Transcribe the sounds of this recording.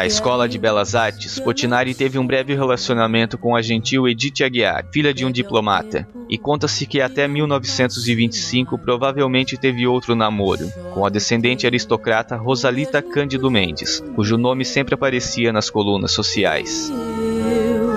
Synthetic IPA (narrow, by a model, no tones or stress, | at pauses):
ɐɪskɔlɐd͡ʒɪbɛlɐzaɾt͡ʃɪ̥spoɾt͡ʃinaɾit̪evɪũbɾɛvɪɦelasionamẽnt̪ʊkõaʒẽnt͡ʃiwed͡ʒit͡ʃɪaɡia̰ɾfiʎɐd͡ʒɪũd͡ʒiploma̰t̪ɐ̰ | ɪkõnt̪ɐsɪkɪat̪ɛmiwnɔvɪsẽnt̪ʊzɪvĩnt͡ʃɪ̥sĩŋkʊpɾovavewmẽnt͡ʃɪt̪evɪowt̪ɾʊnamoɾʊ̰kõɐd̪esẽnd̪ẽnt͡ʃɪaɾist̪okɾat̪ɐɦozalit̪ɐkɐ̃nd͡ʒɪd̪ʊmẽnd͡ʒɪ̰skuʒʊnõmɪsẽmpɾɪapaɾesiɐnɐskolũnɐ̰sːosia̰js